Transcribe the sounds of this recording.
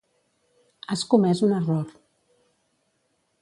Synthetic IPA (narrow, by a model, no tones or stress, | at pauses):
askumɛzunəroɾ